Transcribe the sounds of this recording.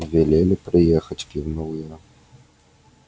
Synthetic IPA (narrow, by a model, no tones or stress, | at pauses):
vʲɛlʲelʲɪpɾɨjɛxɐt͡sʲkʲiwnɔwɨjɛ